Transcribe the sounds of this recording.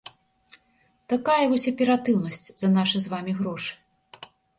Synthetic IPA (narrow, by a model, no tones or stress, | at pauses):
t̪akajɐvɔsʲɐpʲɛɾat̪ɨwnɐsʲt͡sʲz̥ɐnaʂɨzvamʲiɣɾɔʂɨ̥